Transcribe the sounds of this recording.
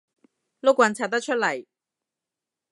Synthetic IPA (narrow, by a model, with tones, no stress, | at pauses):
lo˥k̚wɐ˧nt͡sʰaː˧˩t̪ɐ˥k̚t͡ʃʰɵ˥t̚lɐ˨˩j